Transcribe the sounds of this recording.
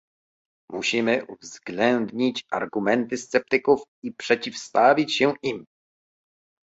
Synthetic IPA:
muɕimɘʔuvzɡlɛnd̪ɲit͡ɕa̰ɾɡumɛnt̪ɘst̪sɛp̚t̪ɘkufipʂɛt͡ɕifst̪avʲit͡ɕɕɛʔim

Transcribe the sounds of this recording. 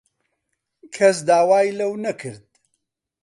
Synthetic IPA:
kʰɐs̬d̪aːwaːjlɐwnɐkʰɨɾd̪̚

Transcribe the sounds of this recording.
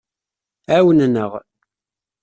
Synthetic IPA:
æwənnəʁ

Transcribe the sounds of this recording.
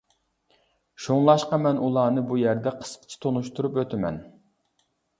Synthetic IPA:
ʃuŋlˠɑʃqɑmɛnulˠɑːnɨbujæɾd̪ɛqʰə̥sqʰə̥t͡ʃʰi̥t̪ʰonuʃt̪uɾupwøt̪ʰɪmɛ̰n

